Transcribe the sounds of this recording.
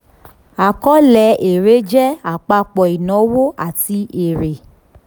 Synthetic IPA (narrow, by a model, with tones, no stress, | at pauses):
a˨kɔ˦lɛ˨˦ʔe˨ɾe˨˦d͡ʒɛ˦a˨k͡pa˧k͡pɔ˨i˨nɔ̃˨˦wo˦a˦˨ti˧e˨ɾe˨